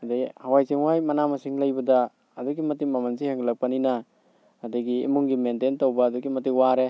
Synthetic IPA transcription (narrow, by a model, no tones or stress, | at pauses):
adajhawajsiŋwajmɐnamɐsiŋlɐjbɐdaː | duɡimɐtimamansihaŋɡilak̚paninaː | daɡḭːmuŋɡimententowbaːduɡimɐt̬ikwaɾe